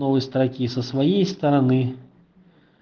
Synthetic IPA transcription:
ɔvɨjst̪ɾakʲisɐsvajejst̪ɐɾanɨ

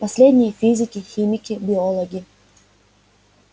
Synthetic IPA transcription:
pɐsʲlʲedʲnʲɪjəfʲizʲɪkʲɪxʲimʲɪkʲɪbʲɪolˠəɡʲɪ

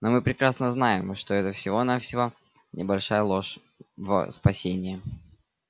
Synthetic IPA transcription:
nomɨpɾʲɪkɾasnəznaɪmʂt̪oɛt̪əfsʲɪvo̞nafsʲɪvo | nʲʔɪ̰bɐlʲʂajəlˠo̞ʂ | və̰spɐsʲenʲɪjɪ

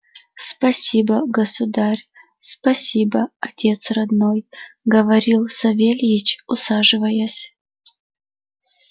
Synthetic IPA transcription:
spɐsʲibəɡəsʊd̪arʲ | spɐsʲibəɐtʲʰe̞t̪srɐd̪nojɡəvɐɾʲilˠsɐvʲelʲjɪt͡ɕʊsaʐɨvəjasʲ

